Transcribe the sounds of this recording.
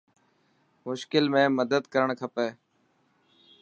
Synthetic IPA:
mʊʃkɪlmẽːməd̪əd̪kəɾəɳkʰəpeː

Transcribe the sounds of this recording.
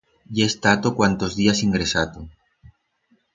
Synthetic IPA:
jest̪at̪okwant̪o̞zðiasiŋɡɾe̞sat̪o

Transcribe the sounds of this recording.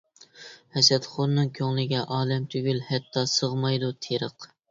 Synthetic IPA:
hɛsɛt̪χoɾnɨŋkʲʰøŋlɪɡʲɛʔɑːlɛmt̪ʰyɡʲylhɛt̪ʰːɑsəʁmɑjd̪ut̪ʰeɾəq

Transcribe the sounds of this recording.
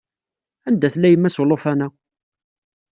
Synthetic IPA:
ænd̪æθlːæjəmːæslofænæ

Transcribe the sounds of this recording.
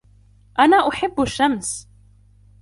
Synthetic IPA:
ʔanaːʔʊħɪbːaʃːams

